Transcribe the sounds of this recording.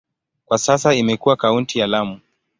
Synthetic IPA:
kwasasaimɛkuwakauntijalamu

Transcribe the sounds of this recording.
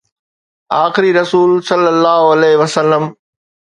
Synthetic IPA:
aːxɪɾiɾɐsuːlsɐlːəlːaːɦoɐleːɦɪʋɐsəlːəm

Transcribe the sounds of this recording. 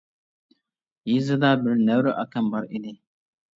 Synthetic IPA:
jizɨdabɪɾnɛwɾɨʔakɐmbaɾʔidi

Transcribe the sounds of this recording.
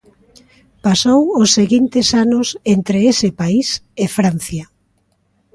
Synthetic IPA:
pasowʊsːeɣint̪ɪsanʊsent̪ɾeesɪpaisefɾan̟θja

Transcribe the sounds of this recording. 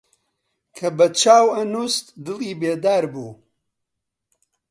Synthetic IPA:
kʰɐbɐt͡ʃaːwɐnust̪d̪ɨliːbeːd̪aːɾbṵː

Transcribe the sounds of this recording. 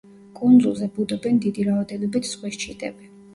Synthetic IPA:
kʼund̪zulˠzɛbud̪ɔbɛnd̪id̪iɾavad̪ɛnɔbit̪ʰsχwiʃt͡ʃʰid̪ʼɛ̰bɛ

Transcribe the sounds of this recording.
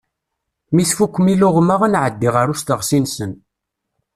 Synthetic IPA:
miθfukʷːmilʊʁmaʁənʕəd̪ːiʁəɾʊst̪əʁsinsən

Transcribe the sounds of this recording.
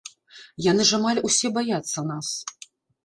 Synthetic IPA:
janɨʐamalʲusʲɛbajat̪sːɐnas

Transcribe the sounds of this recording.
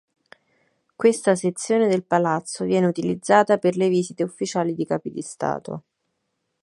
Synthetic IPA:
kwest̪aset̪sːjoːned̪elpalat̪sːovjɛːneut̪ilid̪zːaːt̪aperleviːzit̪eufːit͡ʃaːlid̪ikaːpid̪ist̪a̰ːt̪o̰

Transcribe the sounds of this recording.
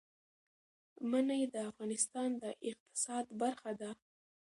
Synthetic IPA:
manajd̪əafɣɑnɪst̪ɑnd̪əʔɪq̚t̪ɪ̥sɑd̪baɾxad̪a

